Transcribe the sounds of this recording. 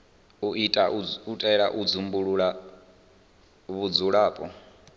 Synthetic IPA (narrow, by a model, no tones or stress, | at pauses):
uʔitʼautʼaɛɺaʔud͡zumbuɺuɺa | βud͡zuɺaːpʼɔ